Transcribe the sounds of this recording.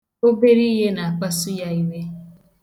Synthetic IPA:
o˦be˦ɾi˦ɦe˦na˨a˨k͡pa˦su˦ja˦i˦we˦

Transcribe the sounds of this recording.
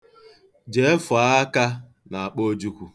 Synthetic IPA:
d͡ʒe˦e˦fʊ˨a˦a˦ka˦ | na˨a˨k͡po˦d͡ʒu˦kʷu˨

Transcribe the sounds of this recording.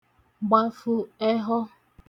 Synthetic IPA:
ɡ͡ba˦fu˦ɛ˦ɦɔ˦

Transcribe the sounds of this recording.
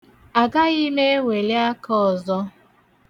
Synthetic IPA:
a˨ɡa˦ɣi˦me˦e˦wʷe˨le˦a˦kɔ˦ɔ˨zɔ˦

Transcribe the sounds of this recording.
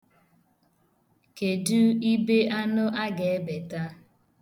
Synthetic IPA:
ke˨du˦i˦be˦a˦nʊ˦ʔa˦ɡe˨e˦be˨ta˦

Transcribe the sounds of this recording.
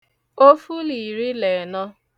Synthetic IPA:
o˦fu˦li˨ɾi˦le˨nɔ˦

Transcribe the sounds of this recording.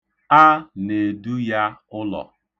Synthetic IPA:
a˦ne˨du˦ja˦ʊ˦lɔ̰˨

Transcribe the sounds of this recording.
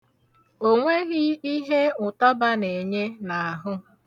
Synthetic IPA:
o˦ŋʷe˦ɣɪ˦i˦ɦe˦ʊ˨ta˦ba˦ne˨ɲe˦na˨a˨ɦʊ˦

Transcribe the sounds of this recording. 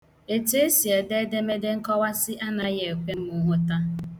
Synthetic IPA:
e˨te˦e˦si˨e˨de˦de˦me˦de˦ŋ̩˦kɔ˦wa˦sɪ˦ʔa˦na˨je˨e˨kʷe˦m̩˦mu˦ɦʊ˦ta˦

